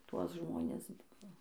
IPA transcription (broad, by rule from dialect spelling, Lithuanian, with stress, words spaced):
ˈtuɔs ˈʒmoːnʲɪs ˈbʊʋoː